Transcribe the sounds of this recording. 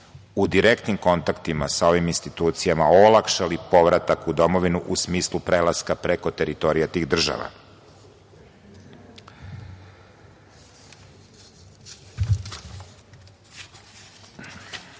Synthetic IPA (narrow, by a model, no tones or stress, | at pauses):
ud̪iɾekt̪nimko̞nt̪akt̪imasao̞ʋiminst̪it̪uːt̪sijamaolˠakʃalipo̞ʋɾat̪akud̪o̞mo̞ʋinuʔusmiːslˠupɾe̞laskapɾeko̞t̪eɾit̪o̞ɾijat̪iːɣd̪r̩ʒa̰ʋa̰